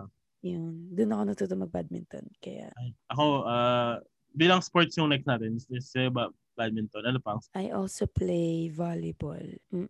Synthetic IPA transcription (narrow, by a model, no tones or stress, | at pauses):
jʊnd̪ʊnɐkonɐt̪ut̪omɐɡ̚bad̪̚mɪ̰nt̪o̰nkɐja̰ʔajʔɐko̞ʔaː | biːlɐŋspoɹt̪̚sjʊŋnɛksnaːt̪ɛnsɛsɛba | bad̪̚mɪnt̪onɐnopɐɐŋʔajʔɔlsoplejvalɪbo̰l̩